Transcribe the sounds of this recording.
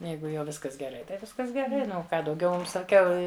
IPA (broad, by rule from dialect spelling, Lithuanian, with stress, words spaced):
ˈjɛɪɡʊ jɛʊ ˈʋʲɪskɐs ɡʲɛˈrɐɪ tɐɪ ˈʋʲɪskɐs ɡʲɛˈrɐɪ ˈnʊ oː ˈkɑː dɐʊˈɡʲɛʊ ˈmʊm sɐˈkʲɛʊ